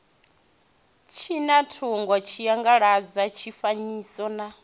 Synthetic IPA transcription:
t͡ʃʰinatʰuŋɡɔt͡ʃʰijaŋɡaɺad͡zat͡ʃʰifaɲiːsɔna

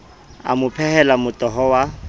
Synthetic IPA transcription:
a̰mʊpʰɛhɛlamʊtʼɔɦɔwa

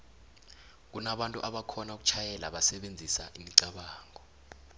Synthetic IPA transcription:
k̬unaɓantʼṵʔaɓakʰɔnauk̬u̥t͡ʃʰajɛla̰ɓasɛɓend͡zʱisa̰ʔimiǀaɓaːŋɔ

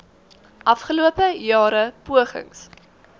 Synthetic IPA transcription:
ʔɐfχəluəpəjɑːɾəpuəχə̰ŋs

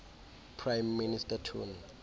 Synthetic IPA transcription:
pʰrajmːinistatʰṵn

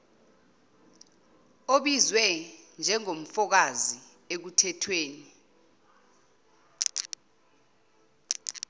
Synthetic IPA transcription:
oɓizwɛnd͡ʒʱɛŋom̩fɔk̬azi | ek̬utʰɛtʰweːni

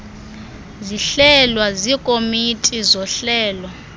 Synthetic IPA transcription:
ziɬɛlwazikʼomitʼizɔɬɛːlɔ

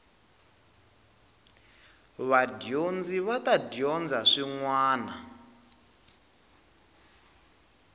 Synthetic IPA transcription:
βadjond͡ziβatadijɔnd͡zaʂiŋwaːna

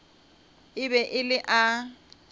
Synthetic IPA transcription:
ɪbɛʔɪlɪʔa

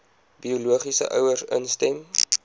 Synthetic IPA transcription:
biuluəχisə̰ʔœ̰wərsənstɛm

